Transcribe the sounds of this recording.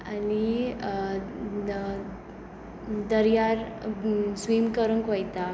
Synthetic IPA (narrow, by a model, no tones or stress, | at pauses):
ani | d̪əɾjaɾ | sʋimkəɾunkɔjt̪a